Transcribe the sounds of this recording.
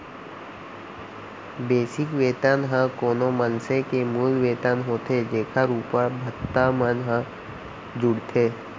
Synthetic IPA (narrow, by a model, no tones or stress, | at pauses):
beːsɪkʋeːt̪ənɦãkoːnomənsekemuːlʋeːt̪ənɦoːt̪ed͡ʒeːkʰaɾuːpəɾbʱət̪ːamənɦã | d͡ʒʊɽt̪ʰeː